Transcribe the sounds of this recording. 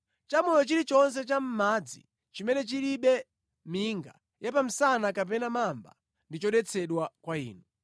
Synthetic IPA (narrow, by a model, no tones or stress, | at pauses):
t͡ʃamɔjɔt͡ʃiɾit͡ʃɔns̬ɛt͡ʃam̩mad͡zḭ | t͡ʃimɛnɛt͡ʃiliɓɛ | miŋɡa | japam̩sanakap̬ɛnamamba̰ | ndit͡ʃɔɗɛt͡sʰɛɗwakwaḭːnu